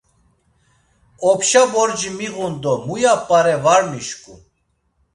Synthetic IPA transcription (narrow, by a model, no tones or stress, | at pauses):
ɔpʃabɔɾd͡ʒimiʁund̪ɔmujapʼːaɾɛvaɾmiʃkʼṵ